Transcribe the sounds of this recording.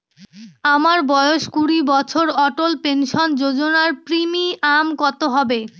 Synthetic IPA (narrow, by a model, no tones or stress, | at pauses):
amaɾbɔjoʃkuɽibɔt͡ɕʰoɾɔʈolpenʃond͡ʑod͡ʑonaɾpɾimiʔamkɔt̪oɦɔbe